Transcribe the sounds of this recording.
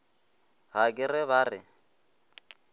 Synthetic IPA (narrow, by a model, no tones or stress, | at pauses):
ɣakʼɪrɪβaːrɪ